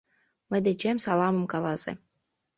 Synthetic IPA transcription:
mɘ̆d̪ĕt͡ɕemʲsɑlˠɑmɤ̆mkɑlˠɑzḛ

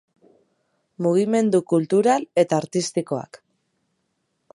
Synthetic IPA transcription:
muɣ̞ime̞nd̪ukult̪uɾale̞t̪aːɾt̪ist̪iko̞a̰k

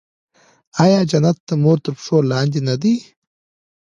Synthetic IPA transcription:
aːjaːd͡ʒɐnɐt̪ːɐmoːɾt̪ɐɾpʂoːlaːnd̪inɐd̪i

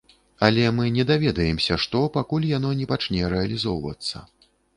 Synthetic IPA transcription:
ɐlʲɛmɨnʲɛd̪avʲɛd̪ɐjɛmsʲɐʂt̪ɔpakulʲjanɔnʲɛpat͡ʂnʲɛɾɛɐlʲizɔwvɐ̰t̪sːɐ

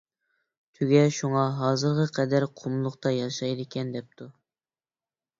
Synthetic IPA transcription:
t̪ʰyɡʲɛʃuŋɑɦɑːzɨɾʁəqʰɛd̪æɾqʰumlˠʊqt̪ɑjɑʃɑjd̪ɪkʲʰɛnd̪ɛp̚t̪ʰu

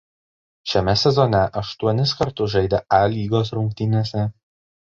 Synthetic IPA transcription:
ʃʲɛmʲɛsʲɛzɔnʲɛʔɐʃt̪uɔnʲɪskɐɾt̪ʊsʒɐɪd̪ʲɛʔælʲiːɡoːsɾʊŋk̚t̪ʲɪnʲeːsʲɛ

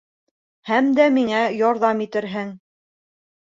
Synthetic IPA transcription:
hæmd̪æmiŋæjɑɾðɑmit̪ɘ̆ɾɦɘŋ

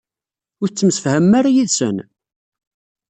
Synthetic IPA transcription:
ʊɾt͡sːəmsəfhəmːaɾajiðsə̰n

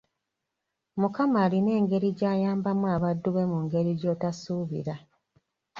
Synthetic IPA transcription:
mukamaːline̞ːŋɡe̞ɾiɟaːjaːmbamwaːβadːuβe̞muŋɡe̞ɾiɟo̞ːtasuːβḭɾa

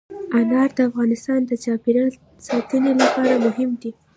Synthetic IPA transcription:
anɑɾd̪əafɣɑnɪst̪ɑnd̪ət͡ʃɑpeɾɑ | sɑt̪ənelapɑɾamʊɦɪmd̪i

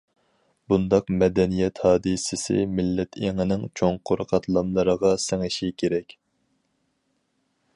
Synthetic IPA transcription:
bund̪ɑqmɛd̪ɛnijɛt̪hɑːd̪ɨsɪsɪ̰mɪlːɛt̪ʰeŋɪnɪŋt͡ʃʰoŋqʰoɾəqʰɑt̪ʰlˠɑmlˠəɾəʁɑsɛŋɪʃikʲʰeɾɛkʲ

